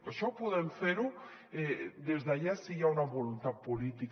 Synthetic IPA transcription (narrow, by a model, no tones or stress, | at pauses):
aʃɔpuðeɱfeɾu | ɛd̪ezðaʎasijaunaβolunt̪at̪̚pulit̪ik